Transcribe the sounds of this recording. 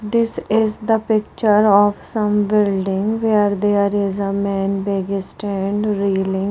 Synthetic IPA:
d̪ɪsɪzd̪əpɪk̚t͡ʃəɾɔːfsə̃mbɪlɖɪ̃ŋɡʋeːɾd̪eːɾɪzəmɛ̃ːnbeɡɪsʈɛ̃ɳɖɾiːlɪ̃ŋ

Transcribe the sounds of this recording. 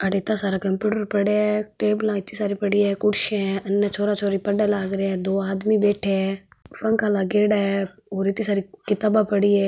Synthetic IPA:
əɽeːt̪aːsaːɾakəmpjuːʈəɾpəɽeɛʈeːbəlãːɪt̪iːsaːɾipəɽiːɛːkʊɽʃẽənːaːt͡ʃʰoːɾaːt͡ʃʰoːɾiːpəɖaːlaːɡɾeɛːd̪oːaːd̪miːbeːʈʰeɛː | fəŋkaːlaːɡeːɽaɛː | oːɾɪt̪iːsaːɾikɪt̪aːbaːpəɽiːɛː

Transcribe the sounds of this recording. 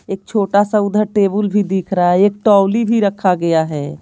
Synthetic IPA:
eːk̚t͡ʃʰoːʈasaʊd̪ʱəɾʈeːbəlbʱid̪ikʰɾaaɛeːk̚ʈɔːwlibʱiɾəkʰːaɡɐjaɦɛː

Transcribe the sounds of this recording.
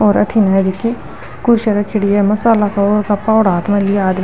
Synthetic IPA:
ɔːɾɐ̰ʈʰinɐd͡ʒikːi | kʊɾʃɐɾɐkʰɪɽiɛmɐsaːlakaoɾkɐpːaoɽaːt̪mɐ̃liaːd̪m

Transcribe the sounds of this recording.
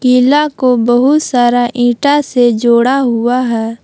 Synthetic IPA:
kiːlakobəɦʊt̪saːɾaʔĩːʈased͡ʒoːɽaɦʊaɦɛː

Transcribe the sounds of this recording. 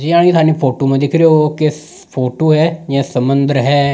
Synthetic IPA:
d͡ʒiãːɽ̃iːt̪ʰaːniːpʰoːʈoːmãːd̪ɪkʰɾeoːkɪ | pʰoːʈoːɦɛːd͡ʒɛ̃ːsəmənd̪əɾɦɛː

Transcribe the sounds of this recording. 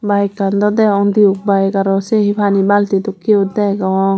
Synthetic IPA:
bajkand̪ɔd̪ɛɔŋd̪iuk̚bajkaɾɔsɛɦibʰʱanibalt̪id̪ukːiud̪ajɡawɔŋ

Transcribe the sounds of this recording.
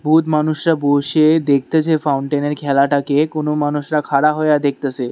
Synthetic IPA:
bʱut̪manuʃɾaboʃed̪ek̚ʰt̪et͡ɕʰefawɳʈeneɾkʰɛlaʈakekonomanuʃɾakʰaɾaɦɔejad̪ek̚ʰt̪et͡ɕʰe

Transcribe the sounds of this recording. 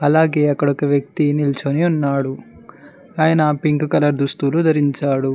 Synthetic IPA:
ɐlaːɡeːɐkːɐɽɐkɐʋjɐk̚t̪inilt͡ʃoniunːaːɽu | aːjɐnɐpiŋkkɐlɐɾd̪ust̪uːlud̪ʱɐɾiɲt͡ʃaːɽu

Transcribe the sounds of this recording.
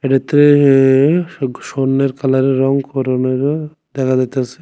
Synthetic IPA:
eʈat̪ɾe | ʃonːeɾkʰalaɾeɾɔŋkʰɔɾoneɾ | d̪ɛkʰadat̪easʰe̥

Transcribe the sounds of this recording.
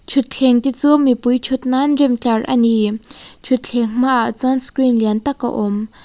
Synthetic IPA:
t͡ɕʰut̪̚ɬʰeŋt̪it͡somipujt͡ɕʰut̪̚naɳɖ͡ʐemt̪aɹʔa̰nit͡ɕʰut̪̚ɬʰeŋŋ̥maʔt͡sanskɹinlent̪akːə̰ʔom

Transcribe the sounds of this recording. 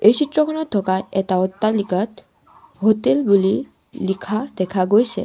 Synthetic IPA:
ejsʰitɹɔkʰɔnɔt̚ʰːɔkaɛtaɔtːaliɡat | ɦotɛlbuli | likʰad̪ɛkʰaɡojsɛ̰

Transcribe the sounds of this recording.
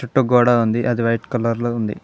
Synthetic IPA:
t͡ʃuʈːuɡɔːɽaund̪iʔɐd̪iʋɐjʈkɐlɐɾluund̪ḭ

